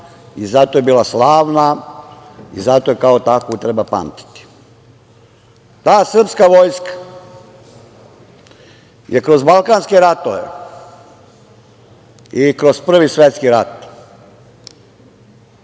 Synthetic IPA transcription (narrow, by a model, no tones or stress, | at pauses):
izat̪ojebiːlˠaslaːʋna | ḭzat̪ojekaot̪akot̪ɾebapa̰mt̪i̥t̪i̥ | t̪aːsr̩pskaʋojskḁ | jʔekɾo̞zbalˠkaːnskeɾat̪oʋḛ | ikɾospr̩ʋisʋet̪skiɾat̪